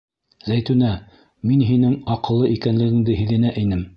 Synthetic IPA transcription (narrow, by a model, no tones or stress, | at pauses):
zæjt̪ʉnæ | minɦinɘŋɑqɤ̆lˠːɤʔikænlɘ̆ɡɘ̆ŋd̪ɘɦɘ̆ðɘ̆næʔɘ̆nɘm